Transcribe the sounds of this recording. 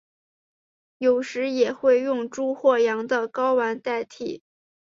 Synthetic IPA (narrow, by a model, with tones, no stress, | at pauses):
jo˨˩ʊʂɻ̩˧˥jɛ˨˩xwe˥˧ɪjʊ˥˧ŋʈ͡ʂu˥xwɔ˥˩jɑ˧˥ŋd̪ə˧kɑ˥ʊwa˧˥nt̪a˥˩ɪt̪ʰḭ˨˩˦